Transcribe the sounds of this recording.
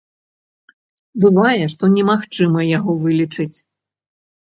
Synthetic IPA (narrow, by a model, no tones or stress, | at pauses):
bɨvajɛʂt̪ɔnʲɛmaxt͡ʂɨmɐjaɣɔvɨlʲit͡ʂɨt͡sʲ